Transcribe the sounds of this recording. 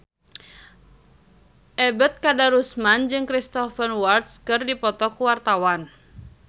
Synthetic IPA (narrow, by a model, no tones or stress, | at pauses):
ʔɛbət̪̚kadaɾusmand͡ʒɨŋkɾist̪ɔfənwart̪̚skɨrdipɔt̪ɔkuwart̪awan